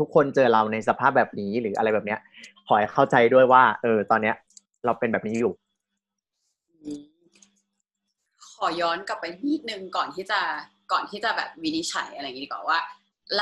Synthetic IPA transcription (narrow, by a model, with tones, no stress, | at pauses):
t̪ʰu˦˥kʰːo˧nt͡ɕɤː˧ɾa˧wna˧jsa˧pʰaː˥˩p̚bɛː˨˩p̚niː˦˥ɾɯː˩˦ʔa̰˧ɾa˧jbɛː˨˩pni˦˥ɐʔkʰɔː˩˦jxʰa˥˩wt͡ɕa˧jdu˥˩əjwaː˥˩ʔɤː˧t̪ɔː˧nːi˦˥ɐ | ɾa˧wpe˧nbɛː˨˩p̚niː˦˥juː˨˩ | ʔɯː˧ | kʰɔː˩˦jɔː˦˥nka˨˩pːa˧jtʰiː˥˩t̪̚nɯ˨˧˩ŋkɔː˨˩nt̪ʰiː˥˩t͡ɕa˨˩ | kɔː˨˩nt̪ʰiː˥˩t͡ɕa˨˩bɛ̰ː˨˩p̚wi˦˥ni˦˧˥t͡ɕʰa̰˨˩˦jʔa˧ɾa˧˨ŋi˦i˨˧˩waː˧˩waː˥˩ | l